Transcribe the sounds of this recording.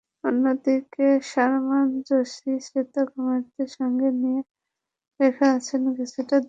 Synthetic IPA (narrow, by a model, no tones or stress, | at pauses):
onːod̪ikeʃaɾmand͡ʑoʃisɾet̪okɔmeɾt̪eɾʃɔŋɡenije | ɾekʰeat͡ɕʰenkeseʈa